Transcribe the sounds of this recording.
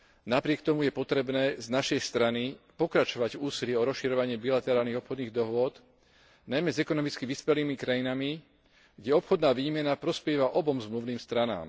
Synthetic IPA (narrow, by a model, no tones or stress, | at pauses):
napɾɪɛk̚t̪ɔmujɛpɔt̪ɾɛbnɛːznaʃɛjst̪ɾanipɔkɾat͡ʃɔʋaɟuːsilɪɛɔɾɔsʃiɾɔʋaɲɪɛbilat̪ɛɾaːlniɣɔpxɔd̪niːɣd̪ɔɦʊɔd̪ | najmɛzɛkɔnɔmit͡skiʋiːspɛliːmikɾajinami | ɡɟɛɔpxɔd̪naːʋiːmɛnapɾɔspjɛʋaʔɔbɔmzmluʋniːmst̪ɾana̰ːm